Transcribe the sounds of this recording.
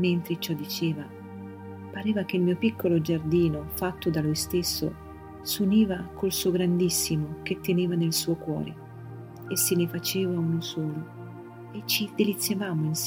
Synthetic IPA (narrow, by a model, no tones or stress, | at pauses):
ment̪ɾet͡ʃɔd̪ːit͡ʃeːva | paɾɛːvak̟eilmiːopikʰːolod͡ʒard̪iːnofat̪ːod̪alujst̪esːo̰ | suniːvakʰolsuoɡɾand̪isːimok̟et̪ːeneːvanelsuːokwɔ̰ːɾḛ | esːenefat͡ʃeːvaunosɔːlo | et͡ʃːid̪elit̪sːjavaːmoins